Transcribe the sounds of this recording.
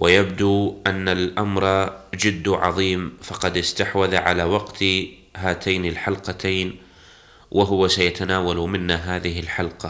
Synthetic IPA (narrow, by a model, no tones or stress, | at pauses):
wʔajabd̪uːʔanːalʔamɾˤd͡ʒɪd̪ːʕɑ̰ðˤiːmfɑqɑd̪ɪst̪aħwaðaʕalaːwɑqt̪ | ɦaːt̪ʰajnɪlħalqɑt̪ʰaːn | wʔaɦʊwasajat̪anaːwalmɪnːaɦaːðɪɦɪlħalqɑ